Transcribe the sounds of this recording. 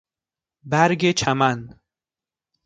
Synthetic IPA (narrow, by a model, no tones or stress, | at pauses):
bæɾɡet͡ʃʰæmæn